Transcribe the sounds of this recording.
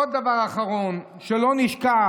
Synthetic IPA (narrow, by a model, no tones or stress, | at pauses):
od̪avaʁaχaʁon | ʃelo̞niʃka